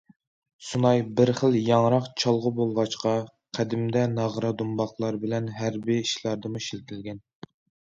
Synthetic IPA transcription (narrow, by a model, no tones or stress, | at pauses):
sunɑjbɪɾχəlˠjɑŋɾɑqt͡ʃʰɑlˠʁəbolˠʁɑt͡ʃqɑ | qʰæd̪ɪmd̪ɛnɑʁɾɑd̪umbɑχlˠɑɾbɪlɛnɦæɾbiiʃlˠɑɾd̪ɨmuʃilt̪ʰɪlɡʲɛn